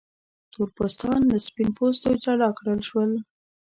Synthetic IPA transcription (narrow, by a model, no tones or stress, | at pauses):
t̪oɾpost̪ɑndəspinpost̪ojt̪aɽɑkɽəlʃwəl